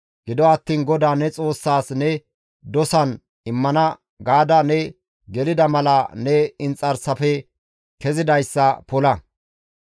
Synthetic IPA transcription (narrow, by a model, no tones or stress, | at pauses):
ɡ̥ɪd̪ɔɐt̪ːiːnɡɔd̪aːnɛt͡sʼo̞ːsːaːsnɛ | d̪ɔsɐn | ɪmːɐnɐ | ɡaːd̪ɐnɛ | ɡɛlɪd̪ɐmɐlɐnɛɪnt͡sʼɐɾsɐfɛ | kɛzɪd̪ɐjsːɐpɔlɐ